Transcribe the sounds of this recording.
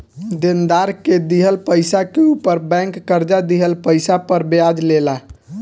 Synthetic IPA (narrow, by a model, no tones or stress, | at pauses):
d̪end̪aɾked̪iɦəlpəjsakeupəɾbɛ̃ŋkːəɾd͡ʒad̪iɦəlpəjsapəɾbjad͡ʒlela